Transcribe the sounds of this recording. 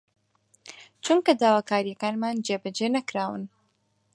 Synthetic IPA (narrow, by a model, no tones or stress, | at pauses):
t͡ʃuŋkɐd̪aːwaːkaːɾijɐkaːnmaːnd͡ʒebɐd͡ʒenɐkɾaːwɨ̰n